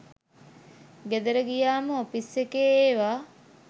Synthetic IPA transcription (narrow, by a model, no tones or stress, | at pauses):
ɡed̪əɾəɡijaːməopisːekeːeːʋaː